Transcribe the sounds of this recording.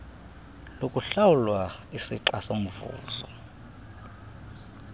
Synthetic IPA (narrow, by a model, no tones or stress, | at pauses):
lokʼuɬawulwaisiǃasom̩vṵːzɔ